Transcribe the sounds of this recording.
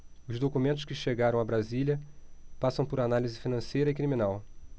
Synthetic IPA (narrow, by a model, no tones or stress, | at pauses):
ʊzd̪okumẽnt̪ʊskɪʃeɡaɾɐ̃w̃abɾaziljɐpasɐ̃w̃pʊɾanalizɪfinɐ̃sejɾɐɪkɾimĩnaw